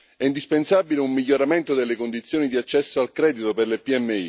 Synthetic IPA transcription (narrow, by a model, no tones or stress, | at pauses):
ɛind̪ispensaːbileumːiʎːoɾament̪od̪elːekond̪it̪sːjoːnid̪iat͡ʃːɛsːoalkɾɛːd̪it̪operlepiɛmːeḭ